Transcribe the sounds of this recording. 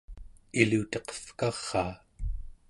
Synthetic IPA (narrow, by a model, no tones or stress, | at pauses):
ilut̪ʌqʌ̥fkɑʁ̥ːɑː